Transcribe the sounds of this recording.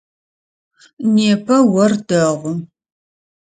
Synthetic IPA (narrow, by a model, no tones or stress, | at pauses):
neːpʰɐwɐrdɐʁʷʊ